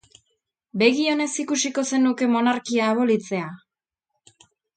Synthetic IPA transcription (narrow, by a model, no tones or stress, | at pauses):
be̞ɣio̞ne̞sikusiko̞se̞nuke̞mo̞naɾkiaːβo̞lit͡se̞a